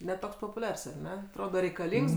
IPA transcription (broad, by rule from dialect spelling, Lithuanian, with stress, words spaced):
nʲɛ ˈtoːks poːpʊˈlʲɛrs ɐr ˈnʲɛ ɐtˈroːdɐ rʲɛɪkɐˈlʲiːŋks